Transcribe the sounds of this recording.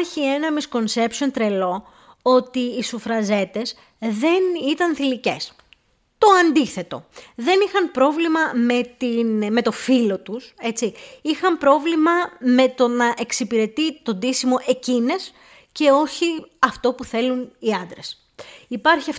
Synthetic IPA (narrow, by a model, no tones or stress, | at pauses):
ɾçie̞nɐmisko̞nse̞pso̞nt̪ɾe̞lo̞ | o̞t̪iːsufɾɐze̞t̪e̞s | ðe̞nit̪ɐnθilice̞s | t̪o̞ɐnd̪iθe̞t̪o̞̰ðe̞nixɐnpɾo̞vlimɐme̞t̪inme̞t̪o̞filo̞t̪use̞t͡siixɐmpɾo̞vlimɐme̞t̪o̞nɐʔe̞ksipiɾe̞t̪it̪o̞nd̪isimo̞ʔe̞cine̞s | ce̞o̞çiɐft̪o̞puθe̞luniɐnd̪ɾe̞s | ipɐɾçiɐf